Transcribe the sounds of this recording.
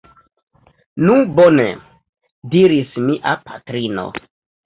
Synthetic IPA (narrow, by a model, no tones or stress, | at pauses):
nubonḛ | diɾismiʔapʰatɾino̰